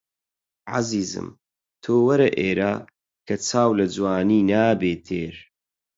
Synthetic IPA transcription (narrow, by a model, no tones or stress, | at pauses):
ʕa̰ziːzɨ̰m | t̪ʰoːwɐɾɐʔeːɾaː | kʰɐt͡sʰaːwlɐd͡zwaːniːnaːbeːt̪ʰeːɾ